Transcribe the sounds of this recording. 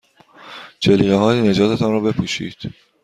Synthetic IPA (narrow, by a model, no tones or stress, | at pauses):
t͡ʃʰeliːɣeɦɒːjene̞d͡ʒɒːt̪ʰet̪ʰɒnɾɒːbe̞pʰuːʃḭːd̪̥